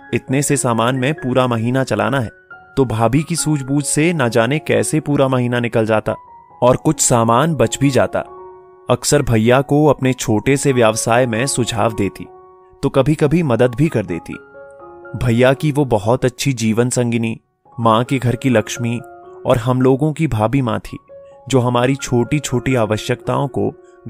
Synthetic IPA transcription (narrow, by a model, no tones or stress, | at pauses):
ɪt̪nesesaːmaːnmẽpuːɾamɐɦiːnat͡ʃɐla̰ːnaɦɛːt̪obʱaːbʱikisuːd͡ʒbuːd͡ʒsenad͡ʒaːnekɛːsepuːɾamɐɦiːnanɪkəld͡ʒaːt̪a̰ː | ɔːɾkʊt͡ʃʰsaːmaːnbɐt͡ʃbʱid͡ʒaːt̪a̰ː | ɐksəɾbʱɐjːakoɐpnet͡ʃʰoːʈeseʋjaːʋsaːjmẽsʊd͡ʒʱaːʋd̪eːt̪ḭː | t̪okɐbʱikɐbʱimɐd̪əd̪bʱikɐɾd̪ḛːt̪ḭː | bʱɐjːakiʋobɐɦɔt̪ɐtːʃʰid͡ʒiːʋənsɐ̃ŋɡɪni | mãːkeɡʱɐɾkilɐkʃmiɔ̰ːɾɦɐmloːɡõkibʱaːbimã̰ːt̪ʰḭːd͡ʒoːɦɐmaːɾit͡ʃʰoːʈit͡ʃʰoːʈiaːʋəʃjəkt̪a̰ːõko̰